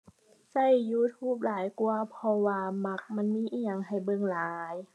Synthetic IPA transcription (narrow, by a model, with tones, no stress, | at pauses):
sa˧˩jːuː˧˥˩t̪ʰuː˧˥˩p̚laː˨˩˦jku˧ɐpʰɔ˧waː˧ma˧˩k̚ma˧˥˨nmiː˧˥˨ʔiː˧˩ɲa˧˩ŋɦa˨˩jbɤ˧˨ŋlaː˨˩˦j